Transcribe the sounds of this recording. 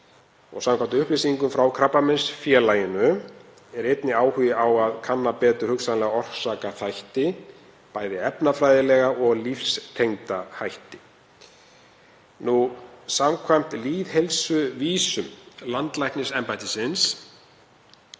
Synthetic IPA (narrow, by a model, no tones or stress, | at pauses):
ɔ̰ɣsamkʰajnt̪ʏʏhplesiiŋkʏmfɾawkʰɾapːamɛnsfjɛːlaːjɪnʏ | ɛɾejt̪nɪaːwhʏjɪawaðkʰanːapɛːt̪ʏɾ̥hʏksaðlɛɣaɔr̥saːkaθajht̪ɪ | paːjðɪɛpnafɾajðɪlɛɣaɔɣlifst̪ʰejŋt̪ahajht̪ɪ̥ | nusamkʰvajm̥t̪liːðhelsʏviːsʏmlant̪lajhknɪsɛmpajt̪ɪsɪns